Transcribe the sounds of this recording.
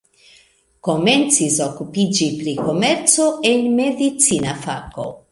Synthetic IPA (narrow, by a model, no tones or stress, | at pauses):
ko̞me̞nt͡siso̞kupid͡ʒipɾiko̞me̞ɾt͡so̞e̞nme̞dit͡sinafako̞̰